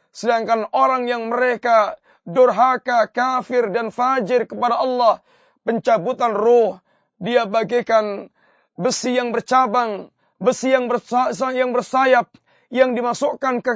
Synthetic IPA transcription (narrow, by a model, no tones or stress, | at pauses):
sədaŋkanoɾaŋjaŋməɾeka | dɔrɦakakafɪrdanfad͡ʒɪrkəpadaɑlːah | pəɲt͡ʃabut̪anrɔh | diabaɡikan | bəsijaŋbərt͡ʃabaŋ | bəsijaŋbərsasajaŋbərsajap̚ | jaŋdimasukankə